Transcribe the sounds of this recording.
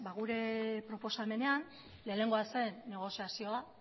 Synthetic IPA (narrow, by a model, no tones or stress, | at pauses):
baɣuɾe̞pɾo̞po̞same̞ne̞an | le̞ːne̞ŋɡoase̞nːe̞ɣ̞o̞siasio̞a